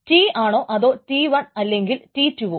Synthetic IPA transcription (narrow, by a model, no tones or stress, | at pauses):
tiːaːɳo̞ːʔɐðo̞ːtiːʋɐnɐlːe̞ŋɡiltiːtːuʋo